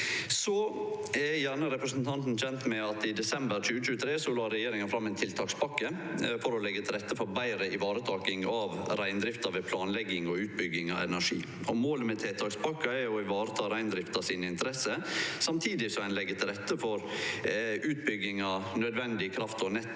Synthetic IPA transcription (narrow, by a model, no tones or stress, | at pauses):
sɔɛjæːɳəɾɛpɾəsnt̪ʰɑnt̪n̩çɛnt̪mɛɑt̪ɪd̪ɛsɛmbəɾc͡çʉːət͡ʃʉːət̪ʰɾeːsɔlɑɾɛjeːɾɪŋɑfɾɑmːɛɪnt̪ʰɪlt̪ʰɑːkspɑkːə | fɔɾɔlɛɡːət̪ʰɪlɾɛt̪ːəfɔɾbæɪɾəʔɪʋɑːɾət̪ʰɑːkɪŋɑʋɾæɪnd̪ɾɪft̪ɑʋeːpʰlɑːnlɛɡːɪŋɔʉːt̪̚bʏɡːɪŋɑ̰ʋɛ̰næʂḭː | ɔmoːləmɛt̪ʰɪlt̪ʰɑːkspɑkːɑɛɾjʊɪʋɑːɾət̪ʰɑːɾæɪnd̪ɾɪft̪ɑsiːnəɪnt̪əɾɛsəsɑmt̪ʰiːd̪ɪsɔæɪnlɛɡːət̪ʰɪlɾɛt̪ːəfɔɾ | ʉːt̪̚bʏɡːɪŋɑnœd̪ʋɛnd̪ɪkʰɾɑft̪ʰɔnɛt̪ː